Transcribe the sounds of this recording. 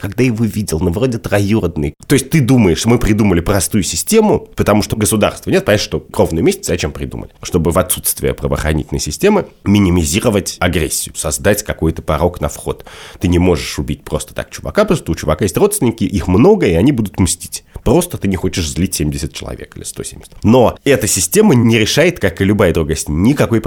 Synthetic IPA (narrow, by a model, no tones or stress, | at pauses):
kɐɡd̪ajɪvovʲidʲɪlˠnovro̞dʲɪt̪rɐjurd̪nɨ̰jt̪o̞jɪsʲt̚ʲt̪ɨd̪uməjɪʂmɨpɾʲɪd̪uməlʲɪpɾɐst̪ujʊsʲɪsʲtʲe̞mʊpət̪ɐmuʂt̪oɡəsʊd̪a̰rst̪vənʲet̪̚pɐjʲɛʂt̪okɾo̞vnʊjɪmesʲɪtt͡sszɐt͡ɕempɾʲɪd̪ṵmə̰lʲɪʂt̪o̞bɨvɐt̪sut̪st̪vʲɪ̰ə̰pɾəvə̰ːxɾɐ̰nʲḭtʲɪlnə̰jsʲɪsʲtʲemɨmʲɪnʲɪmʲɪzʲiɾəvətʲɐɡɾʲesʲːɪjʊsɐzd̪atʲkɐkojt̪ə̥pɐɾo̞knɐfxo̞̰t̪ːɨnʲɪmo̞ʐɨʂʊbʲitʲpɾo̞st̪ə̥t̪a̰k̚t͡ɕʊvɐ̰kapɾost̪əʊt͡ɕʊvɐkajesʲtʲrot̪st̪ʲvʲɪnʲɪkʲɪʔixmno̞ɡəɪɐnʲibud̪ʊt̪msʲtʲi̥tʲpɾo̞st̪ət̪ɨnʲɪxo̞t͡ɕɪʂzʲlʲitʲsʲemʲdʲɪsʲət̪̚t͡ɕɪlˠɐ̰vʲḛkɨlʲɪst̪osʲḛmʲdʲɪsʲɪtʲno̞ɛt̪əsʲɪsʲtʲe̞mənʲɪɾʲɪʂajɪt̪kakɨlʲʊbajəd̪ɾuɡajsʲtʲnʲɪkɐko̞jp